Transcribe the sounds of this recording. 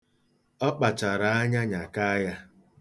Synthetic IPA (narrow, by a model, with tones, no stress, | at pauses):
ɔ˦k͡pa˨t͡ʃa˨ɾa˨a˦ɲa˦ɲa˨ka˦ja˦